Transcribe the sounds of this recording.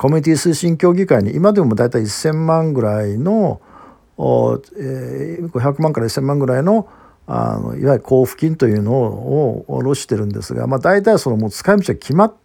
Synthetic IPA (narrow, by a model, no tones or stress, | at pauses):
ko̞mʲiɲʲit̪ʲisɨːɕĩŋkʲo̞ːɡʲikaiɲ̟iʔimad̪e̞mod̪ait̪aiːsːẽ̞mmãŋɡɯ̟ɾaino̞ | eɡo̞çakɯ̟mãŋkaɾaisːẽ̞mːãŋɡɯ̟ɾaino̞ | a̰no̰ḭβaikʰo̞ːɸɯ̥kʲĩnt̪o̞jɯ̟ːno̞ː | ɾo̞ɕi̥t̪e̞ɾɯ̟̃nd̪e̞sɨɡa̰mad̪ait̪̬aiso̞no̞moːt͡sɨ̥kaimɯɕiɡakʲʰimat̪